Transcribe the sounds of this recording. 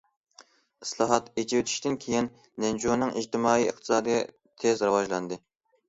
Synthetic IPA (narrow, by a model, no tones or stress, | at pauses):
ɨslˠɑɦɑt̪ed͡ʒiwɪt̪ʰi̥ʃt̪ɪnkʲʰejin | nɛnd͡ʒonɨŋʔiʒt̪ʰɪmɑːiɨχt̪ʰɨ̥sɑːd̪ɨj | t̪ʰezɾɨwɑʒlˠɑnd̪ɨ